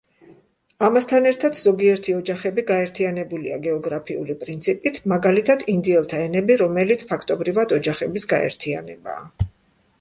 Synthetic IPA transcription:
amast̪ʰanɛɾt̪ʰat̪ʰz̥ɔɡiɛɾt̪ʰiɔd͡ʒaχɛbiɡaɛɾt̪ʰianɛbuliaɡɛɔɡɾapʰiṵlipʼɾint̪sʰipʼit̪ʰmaɡalit̪ʰad̪ʰind̪iɛlˠt̪ʰaɛnɛbiɾɔmɛlit̪sʰpʰakʰt̪ʼɔbɾivad̪ɔd͡ʒaχɛbisɡaɛ̰ɾt̪ʰia̰nɛba̰ː

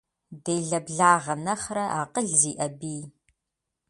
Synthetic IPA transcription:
dejɮɐbɮaːʁɐnɐχɾɐʔaːqəɮziːʔɐbiː

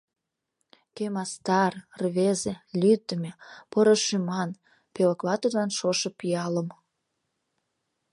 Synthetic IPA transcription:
kemɑst̪ɑrrβezelʲyt̪ːəmepoɾoʃymɑn | pelə̆klɑt̪ud̪lɑnʃoʃĕpiɑləm

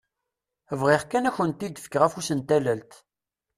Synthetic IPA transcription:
vʁiʁkænæçənt̪ːid̪əfkʁæfusənt̪ælælt̪

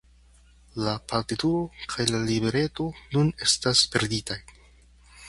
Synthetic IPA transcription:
lapaɾtituɾo̞kʰajlalibe̞ɾe̞to̞nune̞staspe̞ɾditaj

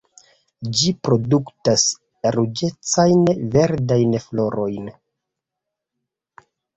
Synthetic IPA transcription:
d͡ʒipɾo̞duktas | ɾud͡ʒe̞t͡sajnve̞ɾdajnflo̞ɾo̞jn

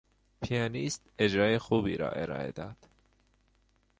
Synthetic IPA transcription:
pʰijɑːniːst̪e̞d͡ʒɾɑːjexuːbḭːɾɒ̰ːʔe̞̰ɾɒ̰ːe̞̰d̪ɒːd̪̥

